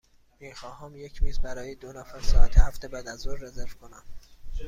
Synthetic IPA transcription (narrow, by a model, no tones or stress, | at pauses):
miːxɒːɦɒːmje̞cʰmiːzbæɾɒːjed̪onæfæɾsɒːʔæt̪ʰehæft̪e̞bæːd̪æzoɾːe̞ze̞ɾv̥kʰonæm